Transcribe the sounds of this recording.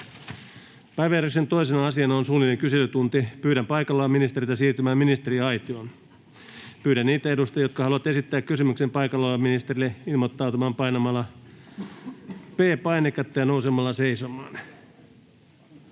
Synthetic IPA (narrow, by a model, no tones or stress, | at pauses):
pæjʋeryksent̪o̞isenɑɑsiɑnɑonsuːnilːeŋkyselːyt̪unt̪ipyːɾæmpɑjkɑlːɑːminist̪eɾit̪ɑsiːrt̪ymæːminist̪eɾiɑjt̪ion | pyːɾænniːt̪æedust̪ɑjo̞t̪kɑhɑluʋɑt̪e̞sit̪ːæːkkysymyksempɑjkɑlːɑminist̪erilːeilmot̪ːɑwt̪umɑːmpɑjnɑmɑlːɑ | peːpɑinekːɑt̪ːejɑnousemːɑlːɑseisomɑːn